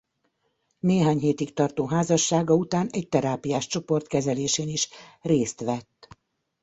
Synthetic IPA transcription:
neːɦaːɲɦeːt̪ikt̪ɒrt̪oːɦaːzɒʃːaːɡɒut̪aːnɛɟ̚t̪ɛɾaːpijaːʃt͡ʃo̞po̞rt̪kɛzɛleːʃeːniʃreːst̪ʋɛt̪ː

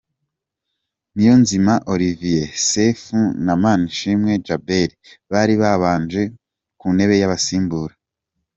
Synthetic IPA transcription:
nijo̞nzimaʔo̞ɾivijesefunamaniʃimŋe̞d͡ʒabeɾiβaːɾiβaβaːnd͡ʒe̞ | kune̞βe̞jaβasiːmbuːɾa

